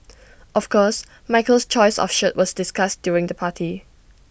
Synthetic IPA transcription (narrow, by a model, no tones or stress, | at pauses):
ʔɔfkɔs | maɪkəlst͡ʃɔɪsɔ̰fʃətwʔɔsdɪskasd̥juɹɪ̃ŋdəpʰatʰi